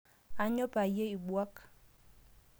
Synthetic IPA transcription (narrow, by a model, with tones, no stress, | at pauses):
a˨˦ɲɔ˦ba˨je˦i˨ɓwa˦k